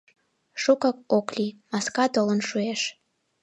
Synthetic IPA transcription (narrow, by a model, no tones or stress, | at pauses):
ʃukɑkoklimɑskɑt̪olənʃueʃ